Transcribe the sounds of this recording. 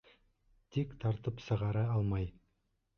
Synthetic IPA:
t̪ʰekt̪ʰɑɾt̪əpsəʁɑɾɑɑlˠmɑj

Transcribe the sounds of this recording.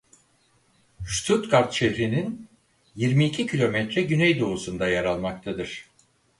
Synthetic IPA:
ʃt̪ʰut̪kʰaɾt̪ʃehɾinin | jiɾmiːcʰicʰilʲo̞mɛt̪ɾɛɟynɛjd̪o̞usund̪ajaɾalˠmak̚t̪ʰad̪ɯɾ̝̥

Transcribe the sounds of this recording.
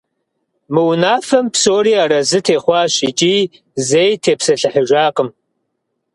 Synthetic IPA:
mɨwnaːfɐmpsoːɾiːaːɾɐzɨtʰeːχʷɑːɕit͡ʃʼiː | zejtʰeːpsɐɬɨħəʒʷaːqʼəm

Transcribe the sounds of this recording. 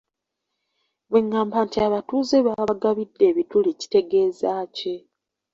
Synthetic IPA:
βweŋːaːmbaːntiaβatuːze̞βaɡaβidːe̞ːβituliːci̥te̞ɡe̞ːzaːce̞

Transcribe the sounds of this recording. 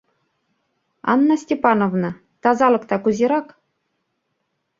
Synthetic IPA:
ɑ̰nːɑsʲtʲepɑnovnɤ̆ | t̪ɑzɑlˠɤ̆kt̪ɑkuzʲiɾɑk

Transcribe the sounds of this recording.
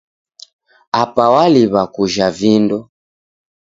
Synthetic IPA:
apawaliβakuʒavindɔ

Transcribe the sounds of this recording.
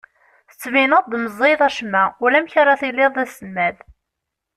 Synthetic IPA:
θə̥t͡sːvinəðˤd̪məzˤːeðˤæʃmæʊlæmçaɾˤaθilːɪðˤæsəmːæð

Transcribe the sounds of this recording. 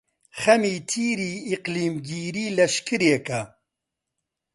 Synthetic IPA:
xɐmiːt̪ʰiːɾiːiqliːmɡiːɾiːlɐʃkɨɾekɐ

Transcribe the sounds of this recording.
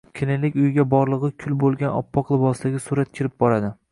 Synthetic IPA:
kʲʰɪnɪlɪkʲʊjɪɡʲabɒɾlˠɨʁɨkʲʰʊlbolˠɡʲanɒ̰pːɒqlˠɪbɒsd̪aɡʲɪsuɾat̪̚kʲʰɪɾɪp̚bɒɾad̪ɪ

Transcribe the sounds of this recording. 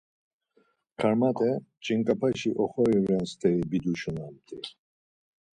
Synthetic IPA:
kʰaɾmat̪ʼɛt͡ʃʼiŋkʼapʰaʃiʔɔχɔɾivɛnst̪ʰʼɛɾibid̪uʃunamt̪ʼi

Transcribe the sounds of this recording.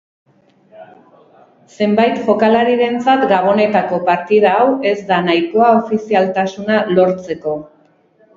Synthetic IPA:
se̞mbajt̪ʝo̞kalaɾiðe̞nt͡sat̪ɡaβ̞o̞ne̞t̪ako̞paɾt̪ið̞aːwe̞zd̪anajko̞ao̞fisialt̪asunalo̞ɾt͡se̞ko̞

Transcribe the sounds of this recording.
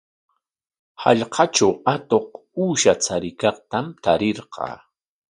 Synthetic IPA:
hɑ̰ʎqʰɑt͡ʃawat̪oq | uːʃat͡sʰaɾɪkɑqt̪amt̪aɾeɾqɑ̰ː

